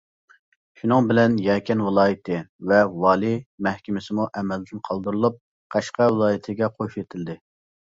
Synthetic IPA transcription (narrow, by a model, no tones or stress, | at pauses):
ʃunɨŋbɪlɛnjɛkʲʰɛnwɨlˠɑːjɪt̪ʰɪvɛwɑːlˠimɛhkʲɪmɪsɪmuʔɛmɛld̪ɪnqʰɑlˠd̪ɨɾɨlˠup̚ | qʰɑʃqɑwɨlˠɑːjit̪ʰɪɡʲɛqʰoʃet̪ʰɪld̪ɪ